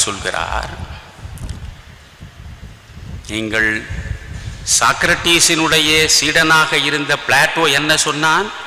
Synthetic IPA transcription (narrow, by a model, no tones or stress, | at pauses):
sɔlɣɪ̰ra̰ːɾ | niːŋɡɐɭ | sa̰ːkɾɐʈːiːsɪnɯɽɐjɐsiːɽɐnaːɣɐɪɾɯnd̪ɐpɪɭaːʈːoːɛnːɐsɔnːaːn